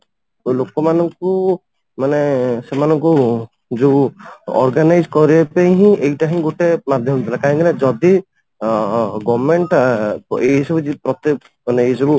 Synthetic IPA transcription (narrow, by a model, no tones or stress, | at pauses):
olokɔmanɔŋku | manesemanɔŋku | d͡ʒuɔ̰ɾɡanajd͡ʒkɔɾiepaɦĩejʈaɦĩɡoʈemad̪ʱjɔmɔt̪ʰilakaɦŋk̪iled͡ʒɔd̪i | ɡɔmeɳʈ | eɦisɔbud͡ʒipɾɔt̪i | maneeɦisɔbu